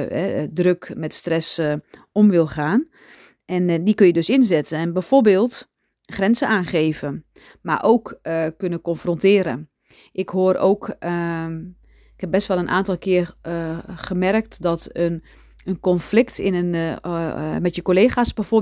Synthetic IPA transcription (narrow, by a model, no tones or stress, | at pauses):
ɛdrøkmɛtstrɛsɔmʋɪlˠχaːn | ʔɛndikønjədøsɪnzɪtənɛnbɛjforbeːlˠt | xrɛnzəaːnχeːvə | ma̰ʔoːkkønəkɔnfrɔntɪːɾə̰ | ʔɪkɦoəɾo̰ːk | ɪkhɛp̚bɛstʋɛlˠənʔa̰ːntɔlˠkʰɪər | χəmɛrk̚tdɔtən | ənkɔnflɪktʰɪnən | mɛtjəkoleːχasbɛfo